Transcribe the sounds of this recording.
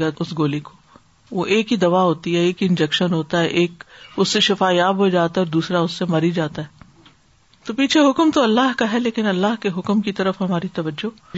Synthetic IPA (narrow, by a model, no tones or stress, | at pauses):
aʊsɡoːliko̥ | ʋoʔeːkɦid̪ɐʋaɦoːt̪iɦɛeːkɪ̃nd͡ʒɛkʃənɦoːt̪aɦɛʔeːkʊsːeʃɪfaːjaːbɦod͡ʒaːt̪aɔːɾd̪uːsɾaʊsːemɐɾid͡ʒaːt̪aɦɛː | t̪opiːt͡ʃʰeɦʊkmt̪oɐlːaɦkaɦɛleːkɪnɐlːaɦkeɦʊkmkit̪ɐɾəfɦɐmaːɾit̪ɐʋəd͡ʒːo